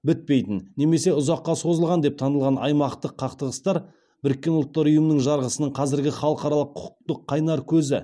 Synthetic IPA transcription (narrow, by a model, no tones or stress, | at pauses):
bɪt̪̚pe̞jt̪ɪnne̞me̞se̞ʊzɑqːɑso̞zəlˠʁɑnd̪e̞p̚t̪ʰɑnəlˠʁɑnɑ̰jmɑqt̪əqʰːɑqt̪əʁəst̪ɑɾ | bɪɾɪkʲːe̞nʊlˠt̪ːɑɾʊjəmənəŋʒɑɾʁəsənəɴqʰɑzɪɾɡʲɪχɑlˠəqɑɾɑlˠəqʰːʊ̥qt̪əqʰːɑjnɑɾkʲʰɵzɪ